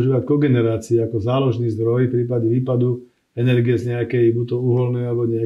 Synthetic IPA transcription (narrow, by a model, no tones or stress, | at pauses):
ʒiːʋackɔɡɛnɛɾaːt͡siɛakɔzaːlɔʒnizd̪ɾɔjfpɾiːpaɟɛʋiːpad̪u | ɛnɛɾɡijɛzɲɛakɛjbut̪ɔuːɦɔlnɛjalɛbɔɲɛa